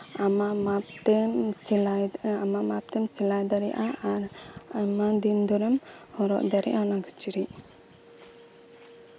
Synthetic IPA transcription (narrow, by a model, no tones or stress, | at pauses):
amaʔmapt̪ɛmlajamaʔmap̚t̪ɛmsɛlajd̪aɾɛʔaaɾamad̪ind̪ɔɾɛm | hɔɾɔ̰ʔd̪aɾɛʔanaɡət͡ʃiɾiʔ